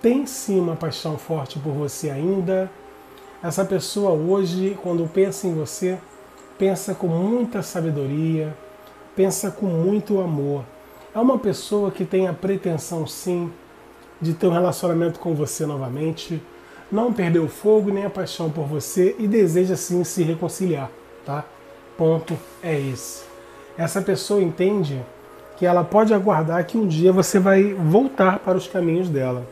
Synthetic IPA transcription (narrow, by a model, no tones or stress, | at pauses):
t̪ẽj̃sĩũmɐpajʃɐ̃w̃fɔɾt͡ʃɪpoɾvoseaĩnd̪ɐ | ɛsɐpesoɐoʒɪkwɐ̃nd̪ʊpẽsɐẽj̃vose | pẽsɐkõmũj̃t̪ɐsabed̪oɾiɐ | pẽsɐkõmũj̃t̪ʊamoɾ | ɛũmɐpesowɐkɪt̪ẽj̃ɐpɾet̪ẽsɐ̃w̃sĩ | d͡ʒɪt̪eɾũhelasiõnamẽnt̪ʊ̥kõw̃vosenɔvɐmẽnt͡ʃɪ | nɐ̃w̃peɾd̪ewʊfoɡʊnẽj̃apajʃɐ̃w̃poɾvoseʔɪd̪ezeʒɐsĩsɪɦekõsiliaɾ | t̪a | põt̪ʊ | ɛesʊ̥ | ɛsɐpesowɐẽnt̪ẽnd͡ʒɪ | kɪɛlɐpɔd͡ʒɪaɡwaɾd̪aɾkɪũd͡ʒiɐvosevajvowt̪aɾpaɾɐʊskamĩɲʊzd̪ɛlɐ